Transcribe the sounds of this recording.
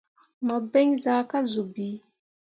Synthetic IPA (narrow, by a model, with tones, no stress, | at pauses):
ma˨be˦ŋzaː˨˦ka˦zu˨biː˨˦